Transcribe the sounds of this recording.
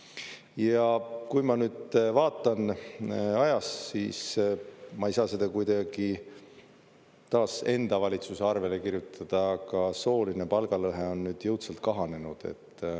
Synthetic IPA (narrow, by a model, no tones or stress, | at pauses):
jɑkujmɑnyːd̪vɑːt̪ːˑɑn | ɑjɑssiːs | mɑejsɑːse̞d̪̥ɑkujd̪ɑɡ̥i | t̪ɑːse̞nd̪̥ɑvɑlʲit̪suseɑrve̞le̞kirjut̪ʰːɑd̪̥ɑːɡ̥ɑso̞ːlinepɑlɡ̥ɑlɤɦeo̞nːyːd̪̥jɤwt̪sɑlt̪̚kɑɦɑne̞nud̪̥e̞̰t̪ː